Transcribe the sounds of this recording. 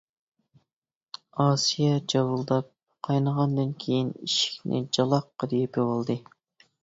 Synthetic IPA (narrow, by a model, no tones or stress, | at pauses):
ɑsijɑd͡ʒɑwulˠd̪ɑp̚ | qʰɑjnəʁɑnd̪ɨnkʲʰejiniʃi̥kʲnɪ̰d͡ʒɑlˠɑqːɑd̪ijipʰɪwolˠd̪ɨ